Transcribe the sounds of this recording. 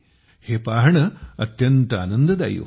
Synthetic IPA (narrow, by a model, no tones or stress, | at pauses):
heːpaːɦɐɳɐɐt̪jɐnt̪ɐa̰ːnɐnd̪ɐd̪a̰ːjṵ